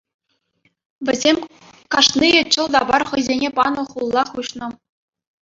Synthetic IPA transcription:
ʋʲɘ̆zʲemʲ | kɑʂniet͡ɕɤ̆lˠd̪ɑbɑrχɤ̆jzʲenʲepɑnɤ̆χulˠːɑχuɕnɤ̆

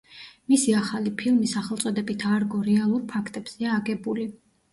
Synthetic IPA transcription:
misiaχalipʰilˠmisaχɛlˠt̪sʼɔd̪ɛbit̪ʰaɾɡɔɾɛalˠuɾpʰakʰt̪ʼɛbz̥ɛaːɡɛbuli

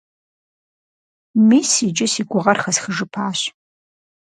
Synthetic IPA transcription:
miːsid͡ʒɪsiɡʷʊʁɐrχɐsχəʐɨpʰaːɕ

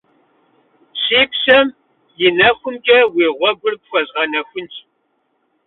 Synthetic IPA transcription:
ɕiːpɕɐm | jɪnɐxʷʊmkʲʼɐweːʁʷɔɡʷʊrp̚ʷfʷɐɕʼʁɐnɐxʷʊntʰʼ

